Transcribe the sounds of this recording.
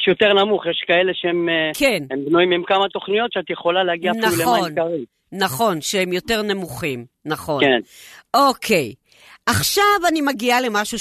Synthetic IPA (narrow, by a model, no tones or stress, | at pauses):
jʃjo̞t̪e̞ʁnamuχjeʃkaeleʃeemkʰenembnuimimkamat̪o̞χnijo̞t̪ʃeat̪jeχo̞laleaɡiaːfinalulemoankaʁimː | aχo̞nʃeemjo̞te̞ʁnemuχimnaχo̞nkenʔokʰe̞j | ʔaχʃavanimaɡiale̞maʃu